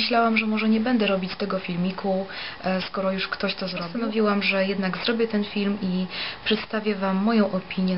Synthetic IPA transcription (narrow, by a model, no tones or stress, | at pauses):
ɘɕlawamʐɛmɔʐɛɲɛbɛnd̪ɛɾɔbʲit͡ɕt̪ɛɡɔfʲilmʲikʰuskɔɾɔjuʂkt̪ɔɕt̪ɔzɾɔanɔvʲiwamʐɛjɛd̪naɡzɾɔbʲjɛt̪ɛnfʲilmipʂɛt̪st̪avʲjɛvamːɔjɔ̃w̃ʔɔpʲiɲjɛ